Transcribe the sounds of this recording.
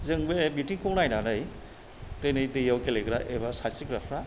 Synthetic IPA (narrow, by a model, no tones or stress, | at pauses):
zɯŋbebitiŋkʰɯwnajnanɯj | tɯjnɯjdɯjawkeleɡɾaʔebasasiɡɾapʰɾa